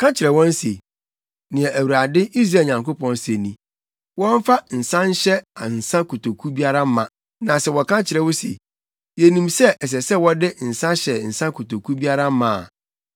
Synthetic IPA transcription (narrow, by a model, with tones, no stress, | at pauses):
kʰã˦t͡ɕʰɪ˨ɾɛ˨wɔ̃˦n˦se˨ | nɪ̃˨ɛ̃˨ʔæ˨wu˨ɾa˨dɪ˦i˦s̬ɾaː˦˨ɲã˨ŋko˦pɔ̃˦n˦se˨nĩ˨ | wɔ̃˦m̩˦fa˦n̩˨sã˦ɲ̩˦ɕɛ˦a˨n̩˨sã˦kʰo˨tʰo˨kʰu˦bi˦a˦ɾa˦mã˨ | nã˨sɛ˨wɔ˨kʰã˦t͡ɕʰɪ˨ɾɛ˨wʊ˦sḛ˨ | je˨nĩ˨msɛ˦ʔɛ˨s̬ɛ˨sɛ˦wɔ˦dɪ˦n̩˨sã˦ɕɛ˨n̩˨sã˦kʰo˨to˨kʰu˦bi˦a˦ɾa˦mã̰ː˨